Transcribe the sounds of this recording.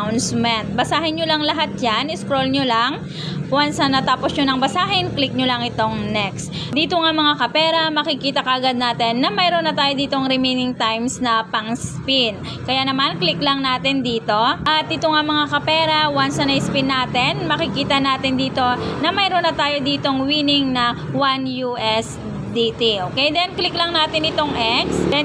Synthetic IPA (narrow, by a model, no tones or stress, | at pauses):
wnsmɛnt̪̚bɐsaːɦɪnɲjolɐŋlɐɦat̪̚d͡ʒanɪskɾolɲolɐŋ | wansɐnɐt̪aːposɲonɐŋbɐsaːɦɪnklɪk̚ɲolɐŋɪt̪o̞ŋnɛkst̪ | d̪iːt̪oŋamɐŋakɐpɛːɾɐmɐkɪkiːt̪ɐkɐʔɐɡad̪̚naːt̪ɛnːɐmɛjɾonːɐt̪aːjod̪iːt̪o̞ŋɾɪminɪŋt̪ajmsnɐpɐŋspin | kɐjaːnɐmanklɪklɐŋnaːt̪ɪnd̪iːt̪o̞ʔɐt̪̚ʔɪt̪oŋamɐŋakɐpɛːɾɐwansɐnɐjspɪnːaːt̪ɪnmɐkɪkiːt̪ɐnaːt̪ɪnd̪iːt̪o̞nɐmɐjɾonːɐt̪aːjo̞d̪iːt̪o̞ŋwiːnɪŋnɐwanjuʔɛs | d̪iːt̪iʔoːkɛjd̪ɛnklɪklɐŋnaːt̪ɪnɪt̪oŋʔɛksɛ